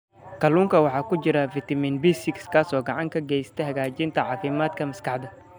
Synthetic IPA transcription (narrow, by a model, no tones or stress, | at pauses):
kʰɐluːŋkʰɐwɑħɑːkʰʊt͡ʃɪɾɐfit̪ʰɐmiːnbiːsɪkskʰaːsɔːɡɑʕɑŋkʰɐɡɛjst̪ʰɛɦɐɣaːt͡ʃɪnt̪ʰɐʕɑːfɪmaːd̪kʰɐmɐskʰɑħd̪ɐ